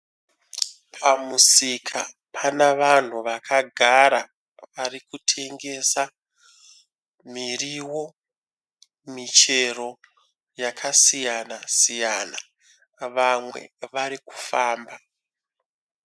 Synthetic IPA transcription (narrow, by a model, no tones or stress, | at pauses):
pʰamusikʰa | pʰanaʋan̤uʋakʰaɡʱaɾa | ʋaɾikutʰe̞ŋɡe̞sa | miriwo̞ | mit͡ʃe̞ro̞ | jakʰasijanasijana | ʋamwe̞̰ʋaɾiku̥faːmba